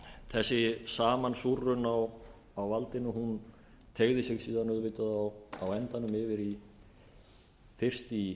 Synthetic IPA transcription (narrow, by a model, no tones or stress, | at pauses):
θɛsːɪsaːmansurːʏnaw | awvalt̪ɪnːʏɦun | t̪ʰeɣðɪsɪɣsiːðanœðvɪːt̪aðawawɛnt̪anʏmɪvɪɾi | fɪr̥st̪i